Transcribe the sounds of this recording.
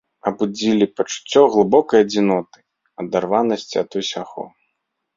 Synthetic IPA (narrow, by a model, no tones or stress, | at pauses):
ɐbud͡zʲilʲipɐt͡ʂu̥t͡sʲːɔɣlˠɨbɔkɐjɐd͡zʲinɔt̪ɨ̥ | ɐd̪arvanɐsʲt͡sʲiɐt̪usʲaxɔ̰